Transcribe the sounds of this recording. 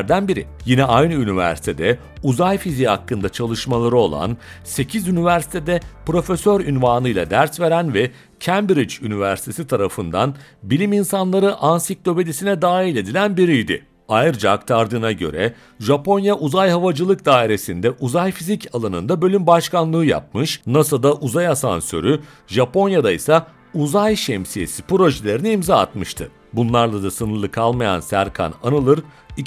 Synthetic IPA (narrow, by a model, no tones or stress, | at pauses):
ɾd̪ænbiɾḭjinɛʔajnɯynivæ̰ɾsi̥t̪ʰe̞d̪ɛ | uzajfiziha̰kːɯnd̪at͡ʃʰalˠɯʃmalˠaɾɯo̞̰lˠa̰n | se̞cʰizynivæɾsi̥t̪ʰed̪ɛpɾo̞fesøɾynvaːnɯjlˠa̰d̪æɾsve̞ɾænvɛ | cʰæmbɾit͡ʃynivæɾsi̥t̪ʰe̞sit̪ʰaɾafɯnd̪a̰nbilʲiminsanlˠaɾɯʔansik̚d̪o̞bed̪isinɛd̪aːilʲe̞d̪ilʲænbiɾijd̪ɪ̰ | ajɯɾd͡ʒakt̪ʰaɾd̪ɯnaɟø̞̰ɾɛ | ʒapʰo̞njaʔuzajɦavad͡ʒɯlˠɯk̚d̪aːiɾe̞sind̪ɛʔuzajfizicalˠanɯnd̪abølʲymbaʃkanlˠɯːja̰p̚mɯʃnasad̪aʔuzajasa̰nsø̞̰ɾy | ʒapo̞njad̪ajsa | uzajʃɛmsije̞̰si̥pɾo̞ʒelʲe̞ɾiniimza̰ːt̪mɯʃt̪ʰɯ̰ | bunlˠaɾlˠad̪asɯnɯɾlˠɯkʰalˠmaja̰nsæ̰ɾkʰa̰na̰nɯlˠɯɾ | i